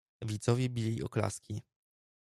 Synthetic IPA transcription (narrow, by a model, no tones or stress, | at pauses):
vʲit̪sɔvʲjɛbʲilʲiɔ̰kla̰skʲi